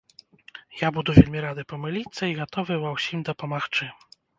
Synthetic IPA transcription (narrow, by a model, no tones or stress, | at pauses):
jabud̪uvʲelʲmʲiɾad̪ɨpɔmɨlʲit̪sːɐiɣat̪ɔvɨvɐwsʲimd̪ɐpɐmaxt͡ʂɨ